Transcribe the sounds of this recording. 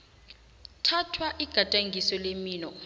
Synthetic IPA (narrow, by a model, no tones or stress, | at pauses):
tʰatʰwaʔiɡ̥ʱatʼaŋɡʱisɔlemiːnɔ